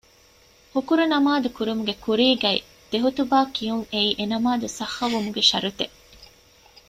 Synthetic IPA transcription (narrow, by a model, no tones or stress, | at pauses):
hukuɾunɐmaːd̪ukuɾumuɡekuɾiːɡɐḭ | d̪̥eɦut̪ubaːkijuŋeiːʔenɐmaːd̪usɐxːɐʋumuɡeʃɐ̰ɾut̪e